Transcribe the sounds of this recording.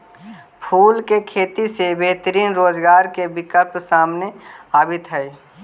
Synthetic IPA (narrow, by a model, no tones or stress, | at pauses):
pʰuːlkekʰeːt̪isebeɦt̪ɾiːnɾoːd͡ʒɡaːɾkebɪkəlpsaːmneaːbɪt̪ɦɛe